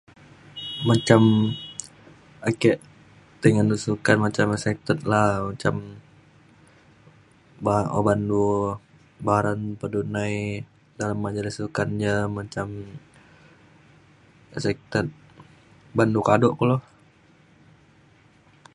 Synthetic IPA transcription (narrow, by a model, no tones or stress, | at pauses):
mat͡ʃam | akɛʔ | t̪əŋandusukanmat͡ʃamɛsɛk̚t̪ət̪̚lahmat͡ʃam | bao̰bandu | baɾanpədunaj | dalamːad͡ʒalisukanɲamat͡ʃam | ɛsɛk̚t̪ət̪̚ | bandukadɔʔkɔlɔ